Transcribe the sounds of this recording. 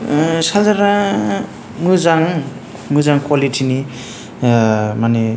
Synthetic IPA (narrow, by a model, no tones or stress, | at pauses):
sazaɾa | mɯzaŋ | mɯzaŋkwalitʰini | mane